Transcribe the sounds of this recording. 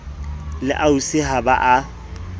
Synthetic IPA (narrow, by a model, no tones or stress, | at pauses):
lɪʔausɪhabaʔa